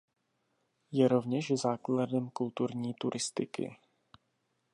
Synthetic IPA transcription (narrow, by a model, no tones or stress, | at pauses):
jɛɾo̞vɲɛʃzaːkladɛmkult̪uɾɲiːt̪uɾʔɪst̪ɪkɪ̰